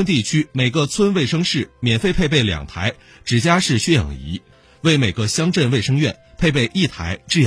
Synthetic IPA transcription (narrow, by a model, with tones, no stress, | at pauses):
ə˥nt̪i˥˩t͡ɕʰy˥me˨˩ɪɡə˧t͡sʰwə˥nwe˥˩ɪʂɤ˥ŋʂɻ̩˥˩mjɛ˨˩nfe˥˧ɪpʰe˥˧ɪp̬e˥˩ɪljɑ̰˨˩ŋt̪ʰa˧˥ɪ | ʈ͡ʂɻ̩˨˩t͡ɕja˥ʂɻ̩˥˩ɕɥɛ˥jɑ̰˨˩ŋḭ˧˥ | we˥˩ɪme˨˩ɡə˧ɕjɑ˥ŋʈ͡ʂə˥˧nwe˥˩ɪʂɤ˥ŋɥɛ˥˩npʰe˥˧ɪpe˥˧ɪʔi˥˩t̪ʰa̰˧˥ɪʈ͡ʂɻ̩˥˩j